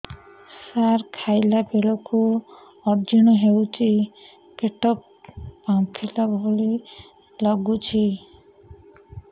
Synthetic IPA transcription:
saɾkʰajlabelɔku | ɔɾd͡ʒiñɔɦewt͡ʃʰi | keʈɔpː | apʰilabʱɔli | lɔɡut͡ʃʰi

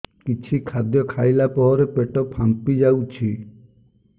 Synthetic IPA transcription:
kit͡ʃʰikʰad̪jɔkʰajlapɔɦɔɾepeʈɔpʰampid͡ʒawt͡ʃʰi

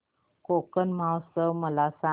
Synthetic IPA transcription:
kokənmawsəməlasa

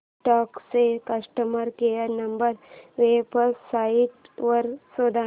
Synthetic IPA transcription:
ʈɔːksekɐsʈəməɾkeəɾnɐmbəɾʋepəsːaːiʈʋɐɾsoːd̪ʱa

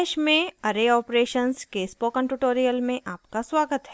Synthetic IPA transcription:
ʃmẽɐɾeɔːpɾeːʃənskeːspokə̃ɳʈuʈoːɾijəlmẽʔaːpkaswaːɡət̪ɦɛ

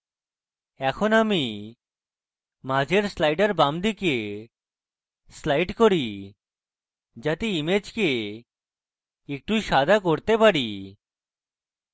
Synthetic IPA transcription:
ɛkʰonami | mad͡ʑeɾslajʈaɾbamd̪ike | slajʈkoɾi | d͡ʑat̪eimed͡ʑke | ek̚ʈuʃad̪ʱakoɾt̪epaɽi

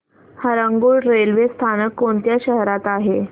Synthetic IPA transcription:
həɾəŋɡuːɭɾelʋest̪ʰanəkːoɳt̪jaɕəɦɾat̪aɦe

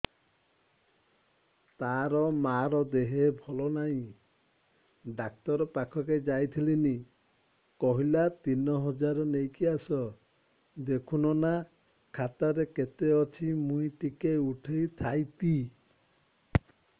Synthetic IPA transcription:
t̪aɾɔmaɾɔd̪eɦebʱɔlɔnaɦĩ | ɖak̚t̪ɔɾɔpakʰɔked͡ʒajt̪ʰilini | kɔɦilat̪inɔɦɔd͡ʒaɾɔnejkiasɔ | d̪ekʰunɔna | kʰat̪aɾeket̪eɔt͡ʃʰimũĩʈikeuʈʰejt̪ʰajt̪i

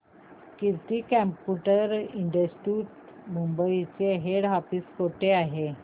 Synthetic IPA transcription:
kiɾt̪iːkɛ̃mpuʈəɾiɳɖəsʈuːʈ | mumbəit͡seɦeɽɦafiskoʈeaɦe

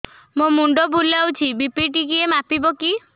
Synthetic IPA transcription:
momuɳɖobʱulawt͡ʃʰibipiʈikiemapiboki

